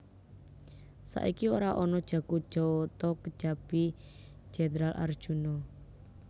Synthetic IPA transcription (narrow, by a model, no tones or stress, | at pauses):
sa̰ʔikioɾaʔɔnɔd̥ʒ̥ä̤ɡu̥ʒ̥ɔt̪ɔkə̥ʒ̥a̤b̥i̥ | ʒ̥ɛnəɾalʔa̰rd̥ʒ̥unɔ